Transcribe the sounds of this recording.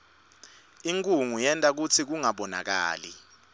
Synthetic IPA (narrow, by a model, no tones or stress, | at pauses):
iŋkʼuŋujɛntʼak̬ut͡sʰik̬uŋaɓɔna̰k̬aːli